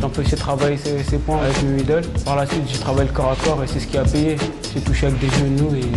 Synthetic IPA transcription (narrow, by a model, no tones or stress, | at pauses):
ʒɑ̃piset̪χavajesesepwɛ̃avɛkmɛid̪ɔlpaʁlasɥit̪ʒət̪χavajləkɔʁakɔʁesɛsə̥kʲiapeje | set̪uʃak̚d̪eʒønue